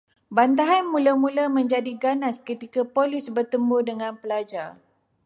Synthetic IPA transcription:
bant̪aɦanmũlamũlamə̃ɲd͡ʒadiɡanãskət̪ikapolisbərt̪əmbodəŋãnpəlad͡ʒar

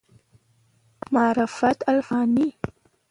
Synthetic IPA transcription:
mɑːɾɪfat̪alfɑːni

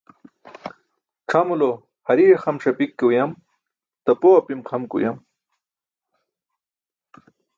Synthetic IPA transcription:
ʈ͡ʂʰamulo | hɐɾixɐmʂɐpikːewjɐm | t̪ɐpoapimqʰɐmkṵjam

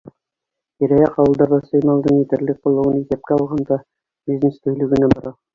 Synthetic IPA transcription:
iɾæjæqɑwɤ̆lˠd̪ɑɾðɑsɤjmɑlˠd̪ɤɴit̪ɘ̆ɾlɘk̚qŏlˠːɤ̆ʁɤnisep̚kʲæɑlˠʁɑnd̪ɑ | b̥ʲiznest̪ɵ̆jlɘ̆ɡɘ̆næbŏɾɑ

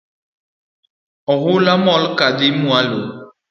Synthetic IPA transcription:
ɔɣulamɔlkadimũalo

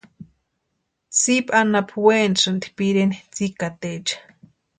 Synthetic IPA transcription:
sipʼanapʰwensɨnd̪i̥piɾenit͡sikat̪et͡ʃḁ

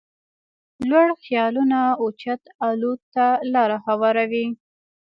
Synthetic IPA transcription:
lwaɽxjɑlunaut͡ʃat̪alut̪ːalɑɾahawɑɾawi

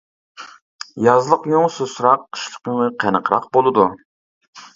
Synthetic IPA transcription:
jɑzlˠəqjoŋsusɾɑqːə̥ʃlˠə̥qəŋəqʰænəqʰɾɑq̚bolˠɨd̪u

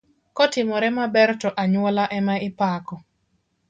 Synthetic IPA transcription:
kɔtɪmɔɾɛmabɛrtɔʔaɲwɔlaʔɛmaɪpakɔ

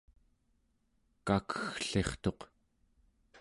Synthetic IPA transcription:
kakʰə̥xɬe̞χt̪o̞q

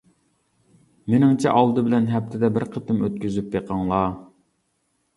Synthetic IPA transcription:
menɪŋt͡ʃʰɛ̰ʔɑlˠd̪ɨbɪlɛnɦɛp̚t̪ʰɪd̪ɛbɪɾqʰət̪ɨmøt̪̚kʲyzypjeqʰɑŋlˠɑ

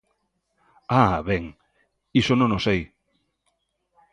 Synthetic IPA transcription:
aβɛŋ | isonõŋosej

